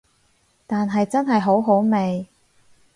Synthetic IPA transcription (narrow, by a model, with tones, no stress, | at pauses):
t̪aː˨nɦɐ˨jt͡sɐ˥nɦɐ˨jɦo˨˥wɦo˨˥wme˨j